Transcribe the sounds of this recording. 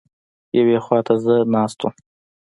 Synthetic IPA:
jawexwɑt̪ʰazənɑst̪u

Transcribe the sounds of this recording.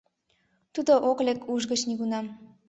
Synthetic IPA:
t̪ud̪oʔoklekʰuʒɣət͡ɕniɣunɑm

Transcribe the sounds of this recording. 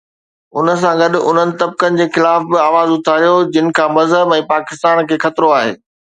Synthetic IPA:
ʊnə̆s̬ãɡɐɗʊ̆ʊn̤ənɪ̆t̪ɐb̚kənɪ̆d͡ʑeːxɪlaːfbɪaːʋaːzʊt̪ʰaːɾijod͡ʑɪnɪ̆kʰãːmɐzɦəbɛ̃ːpaːkɪst̪aːnkʰeːxɐt̪ɾoaːɦḛː

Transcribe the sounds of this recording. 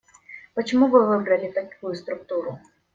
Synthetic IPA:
pɐt͡ɕɪmuvɪvɪbɾɐlʲɪt̪ɐkujʊst̪ɾʊk̚t̪uɾʊ

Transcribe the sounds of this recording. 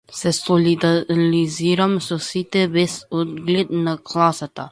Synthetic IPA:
sɛsolid̪aliziːɾamsosit̪ɛbɛsod̪ɡled̪nakʰlaːsat̪a

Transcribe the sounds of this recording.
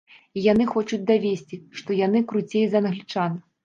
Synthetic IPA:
ijan̪ɨxɔt͡ʂud͡zʲd̪avʲesʲt͡sʲiʂt̪ɔjanɨkɾut͡sʲejzɐnɣlʲit͡ʂan

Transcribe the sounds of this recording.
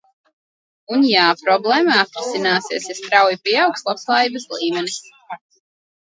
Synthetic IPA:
unjaːpɾɔblˠɛːmaat̪ɾisinaːsiɛsast̪ɾawjipiɛawkslˠapslˠaːjiːbɐsliːmʲɛnis

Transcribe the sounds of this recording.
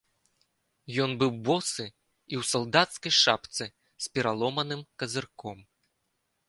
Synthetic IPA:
jɔnbɨwbɔsɨ | iwsɐlˠd̪at̪skɐjʂapt̪sɨ | spʲɛɾalˠɔmɐnɨmkɐzɨrkɔm

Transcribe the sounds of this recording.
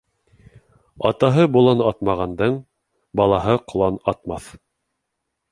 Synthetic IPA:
ɑ̰t̪ɑɦɤbulˠɑnɑt̪mɑʁɑnd̪ɤɴ | bɑlˠɑɦɤqŏlˠɑnɑt̪mɑθ

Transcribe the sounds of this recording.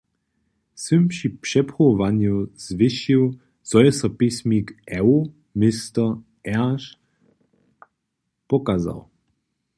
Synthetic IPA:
sɪmpʃipʂɛpχɔvanjuz̥vɪʃiw | t͡sɔjɛsɐpismʲikʔɛ | mɪst̪ə | ɛʃ | pɔkaza̰w

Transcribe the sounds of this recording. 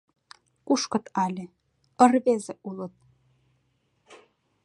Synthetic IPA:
kuʃkɤ̆t̪ɑlʲĕ | ə̆rβezeʔulə̆t̪̚

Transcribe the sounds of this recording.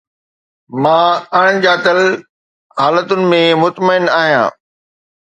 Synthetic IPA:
mãːɐɽ̃̆d͡ʑaːt̪əl | ɦaːlət̪ʊnɪ̆mẽmʊt̪məɪnaːɦijã̰ː

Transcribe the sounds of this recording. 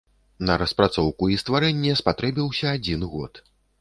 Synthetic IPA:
nɐɾɐspɾat̪sɔwkuist̪vaɾɛnʲːɛspat̪ɾɛbʲiwsʲɐːd͡zʲinɣɔ̰t̪

